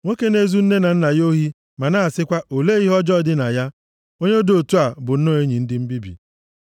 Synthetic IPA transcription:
ŋʷo˦ke˦ne˦zu˦n̩˦ne˦na˨n̩˦na˨jo˦ɦi˦ | ma˨na˦a˨sɪ˦kʷa˦o˨le˦i˦ɦɔ˦d͡ʒɔ˦dɪ˦na˨ja˦ | o˦ɲe˦o˦do˨tu˦a˨bʊ˨n̩˦no˦˨e˦ɲi˨n̩˦dɪ˦m̩˦bi˦bḭ˨

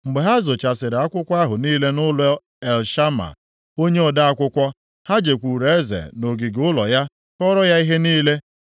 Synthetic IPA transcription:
ŋ͡m̩˨ɡ͡be˨ɦa˦zo˨t͡ʃa˨sɪ˨ɾɪ˨a˦kʷʊ˦kʷa˦ɦʊ˨niː˦le˦nʊ˦lɔ˦ | e˨lʃa˦ma̰˨ | o˦ɲe˦ɔ˨da˦a˦kʷʊ˦kʷɔ˦ | ha˦d͡ʒe˨kʷu˨ɾe˨˦zḛ˨no˨ɡi˨ɡʊ˦lɔ˨ja˦ | kɔ˦ɾɔ˦ja˦i˦ɦe˦niː˦le˦

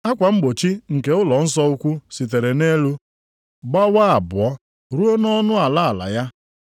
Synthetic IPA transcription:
a˦kʷa˨ŋ͡m̩˦ɡ͡bo˨t͡ʃi˦ŋ̩˨ke˨˦ʊ˦lɔ˨n̩˦sɔ˦u˦kʷu˦si˨t̬e˨ɾe˨ne˦lu˦ | ɡ͡ba˦wa˦a˨bʊ˨ɔ˦ | ɾu˦o˦nɔ˦nʊ˦a˨la˦a˨la̰˨ja˦

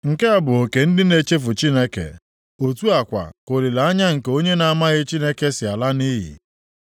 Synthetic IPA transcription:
ŋ̩˨ke˦a˨bʊ˨o˨ke˨n̩˦dɪ˦ne˨t͡ʃe˦fʊ˨t͡ʃi˦ne˦kḛ˨ | o˨tu˦a˨kʷa̰˨ko˨ɾi˨la˨a˦ɲa˦ŋ̩˨ko˦ɲe˦na˨˦ma˦ɣɪ˦t͡ʃi˦ne˦ke˦sɪ˨a˨la˦ni˦ɦḭ˨

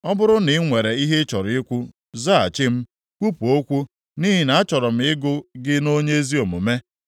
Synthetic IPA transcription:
ɔ˦bʊ˦ɾʊ˦nɪ˨˦ŋʷe˨ɾe˨i˦ɦe˦t͡ʃɔ˨ɾɪ˦kʷu˦ | za˦a̰˨t͡ʃɪ˦m̩˦ | kʷu˦pu˨o˦kʷu˦ | ni˦ɦi˨na˨a˦t͡ʃɔ˨ɾɔ˨m̩˦ɪ˦ɡʊ˦ɡɪ˦no˦ɲe˦e˦zi˦o˨mʊ̰˨me˦

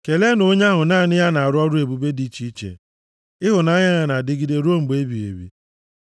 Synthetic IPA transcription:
ke˨le˦no˦ɲa˦ɦʊ˨naː˦˨nɪ˦ja˦na˨a˨ɾʊ˦ɔ˦ɾu˦e˨bu˦be˦di˦t͡ʃi˦t͡ʃḛ˨ | ɪ˦ɦʊ˨na˦ɲa˦ɲa˨na˨dɪ˦ɡi˦de˦ɾo˦m̩˨ɡ͡be˦bi˨ḛ˨bḭ˨

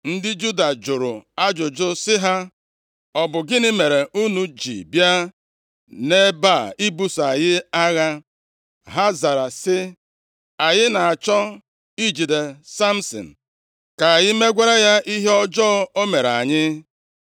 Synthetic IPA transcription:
n̩˦dɪ˦d͡ʒu˦da˨d͡ʒʊ˨ɾʊ˨a˦d͡ʒʊ˨d͡ʒʊ˦sɪ˦ɦa˦ | ɔ˨bʊ˨ɡɪ˦nɪ˦me˨ɾe˨u˦nu˦d͡ʒḭ˨bja˦ | ne˦ba˦˨i˦bu˦sa˨jɪ˦a˦ɣa˦ | ɦa˦za˨ɾa˨sɪ˦ | a˨jɪ˦na˨a˨t͡ʃɔ˦ | i˦d͡ʒi˨de˨sa˦m̩˦sɔ̰˨n̩˨ | ka˨a˨jɪ˦me˦ɡʷa˦ɾa˦ja˦ʔi˦ɦe˦ɔ˦d͡ʒɔ˦o˦me˨ɾa̰˨ɲɪ˦

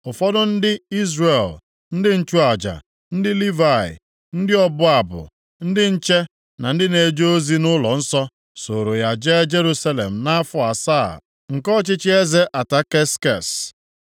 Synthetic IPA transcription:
ʊ˨fɔ˦dʊ˦n̩˦dɪ˦i˦zre˨l | n̩˦dɪ˦n̩˦t͡ʃu˦a˨d͡ʒa̰˨ | n̩˦dɪ˦li˦va˨ɪ̰˨ | n̩˦dɪ˦ɔ˦bʊ˦a˨bʊ̰˨ | n̩˦dɪ˦n̩˦t͡ʃe˦ | na˨n̩˦dɪ˦ne˨˦d͡ʒo˦zi˦nʊ˦lɔ̰˨n̩˦sɔ˦ | so˨ɾo˨ja˨d͡ʒe˦d͡ʒe˦ɾu˦sa˦lḛ˨m̩˨na˦a˦fʊ˦a˨sa̰ː˦˨ | ŋ̩˨kɔ˦t͡ʃɪ˦t͡ʃɪ˦e˦ze˦ʔa˨ta˦ke˦ske˨s

